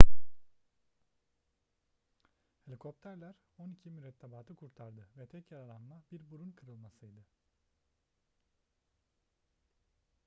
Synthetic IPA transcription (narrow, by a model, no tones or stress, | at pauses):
helʲikʰo̞p̚t̪ʰæɾlʲˠæɾ | o̞nicʰimyɾɛt̪ʰːebaːt̪ʰɯkʰuɾt̪ʰaɾd̪ɯvɛt̪ʰɛcjaɾalˠanmabiɾbuɾunkʰɯɾɯlˠmasɯjd̪ɯ